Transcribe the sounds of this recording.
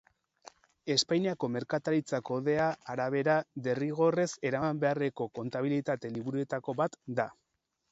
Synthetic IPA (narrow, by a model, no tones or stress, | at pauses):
e̞spajniako̞me̞ɾkat̪aɾit͡sako̞ð̞e̞aːɾaβ̞e̞ɾaðe̞riɣ̞o̞re̞se̞ɾambe̞are̞ko̞ko̞nt̪aβ̞ilit̪at̪e̞liβuɾue̞t̪ako̞βat̪d̪a